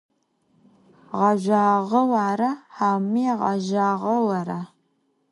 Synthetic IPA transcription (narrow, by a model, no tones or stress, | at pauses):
ʁɐʒʷaːʁɐwaːɾɐħaːmiːʁɑ̰ʒaːʁɐwɐɾa